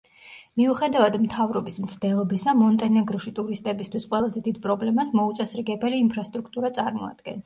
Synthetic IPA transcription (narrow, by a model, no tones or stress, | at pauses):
miuχɛd̪avad̪mt̪ʰavɾɔbismt̪sʰd̪ɛlˠɔbisamɔnt̪ʼɛnɛɡɾɔʃit̪ʼuɾist̪ʼɛbist̪ʰwisqʼwɛlˠazɛd̪id̪̚pʼɾɔblɛmasmɔut̪sʼɛsɾiɡɛbɛliːmpʰɾast̪ʼɾukʰt̪ʼuɾat̪sʼaɾmɔa̰d̪̥ɡɛ̰ns